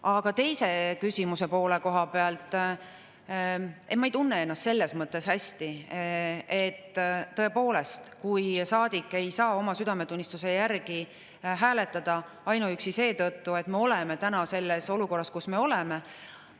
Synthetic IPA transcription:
ɑɡ̥ɑt̪e̞jse̞kysʲimuse̞po̞ːle̞ko̞ɦɑpe̞ɑlt̪ˑ | e̞mːɑejt̪unːee̞nːɑst̪se̞lːe̞smɤt̪ːˑe̞shæsʲt̪i | et̪ːɤ̞e̞po̞ːle̞st̪kujsɑːd̪̥ikːˑe̞jsɑːo̞mɑsyd̪̥ɑme̞t̪unʲːist̪use̞jærɡ̥i | ɦæːle̞t̪ːˑɑd̪̥ɑ | ɑjnuyksise̞ːt̪ɤt̪ːue̞t̪me̞o̞le̞me̞t̪ænɑse̞lːe̞so̞luko̞rːɑskusme̞o̞leme

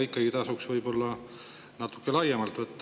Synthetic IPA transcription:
ikːˑɑɡit̪ɑsuksvɤjbo̞lːɑ | nɑt̪ːu̥kːˑelɑjːemɑlt̪vɤt̪ː

